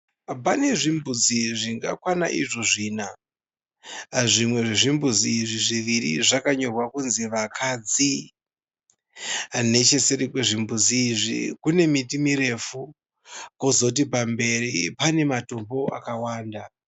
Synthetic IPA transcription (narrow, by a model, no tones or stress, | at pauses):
pane̞ʐimbud͡ziʐiŋɡa̰kwana̰ʔiʐoʐiːna | ʐimwe̞ʐeʐimbud͡ziːʐiʐiʋiɾḭʐakaɲo̞rwakunziʋakʰad͡zi | ne̞t͡ʃe̞se̞ɾikwe̞ʐimbud͡ziːʐḭkune̞mitimiɾe̞fu | ko̞zo̞t̬ipambe̞ripane̞mato̞mbo̞akawaːnda